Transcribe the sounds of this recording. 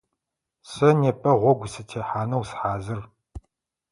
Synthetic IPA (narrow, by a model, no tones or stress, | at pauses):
sɐneːpʼɐʁʷɔɡʷsɨtʰeːħaːnɐwsħaːzɨr